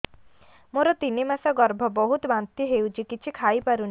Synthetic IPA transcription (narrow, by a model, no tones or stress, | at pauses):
moɾɔt̪inemasɔɡɔɾbʱɔbɔɦut̪ɔbant̪iɦewt͡ʃʰikit͡ʃʰikʰaipaɾun